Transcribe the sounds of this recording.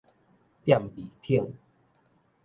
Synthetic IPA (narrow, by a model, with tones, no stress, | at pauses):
t̪ja˥˧˨mbi˨˩t̪ʰi˥˩əŋ